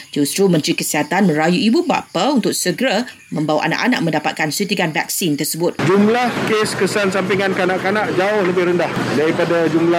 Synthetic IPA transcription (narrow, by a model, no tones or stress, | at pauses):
d͡ʒust̪ɾumə̃nt̪ɾikəsiɦat̪anmə̃ɾajuʔibuba̰paunt̪ʊk̚səɡəɾa | mə̃mbawʔa̰nã̰ʔa̰na̰ʔ̚mə̃ndapat̪̚kansut̪iɡanvak̚sint̪ərsəbʊt̪̚d͡ʒumlahkeskəsansampiŋankəanãʔkanãʔd͡ʒaʊhləbɪhɾəndahdaɾipadad͡ʒumla